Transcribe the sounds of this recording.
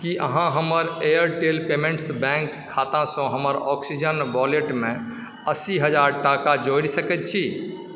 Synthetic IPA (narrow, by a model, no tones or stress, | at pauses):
kiʔəɦãɦəməɾejəɾʈelpemẽɳʈsbɛ̃ŋkʰːat̪ãsə̃ɦəməɾɔksid͡ʒənbɔleʈmẽ | əsiɦəd͡ʒaɾʈakad͡ʒoiɽsəkɛt̪̚t͡ʃʰi